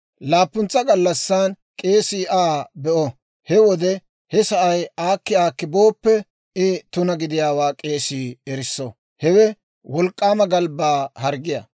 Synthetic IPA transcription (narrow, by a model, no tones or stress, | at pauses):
laːpːʊnt͡sːɐɡɐlːɐsːan | kʼe̞ːsiːʔaːbɛʔɔ | hɛwɔd̪ɛ | hɛsɐʔɐjaːkːɪaːkːɪbo̞ːpːɛ | ɪt̪ʊnɐɡɪd̪ɪjaːwaːkʼeːsiːɛɾɪsːɔ | hɛwɛ | wɔlkʼːaːmɐɡɐlbaːhɐɾɡɪja̰